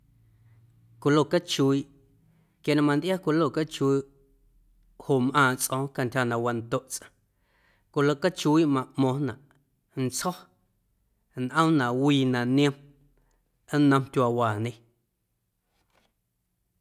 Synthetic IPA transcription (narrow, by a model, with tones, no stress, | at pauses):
kʷu˧˨lo˧˨ka˦t͡ʃu˧˦i˦ʔ | kja˧nã˧˨mã˧nd̪ja˦kʷu˧lo˦˨ka˦t͡ʃu˧i˦ | ho˨mʔãː˧˨t͡sʔõ˧˦ka˧ntʲha˧nã˨ʔwa˧nt̪o˦ʔt͡sə̥̃˧ | kʷu˧˨lo˧˨ka˦t͡ʃu˧˦i˦ʔmã˧˨ʔmõ˧nã˨ʔ | n̩˨t͡shɔ˦ | nʔə̃˦mnã˨ʔwiː˧nã˨ʔñ˦ə̃˧m | ə˦nə̃˧mtʲwa˧waː˨nẽ˧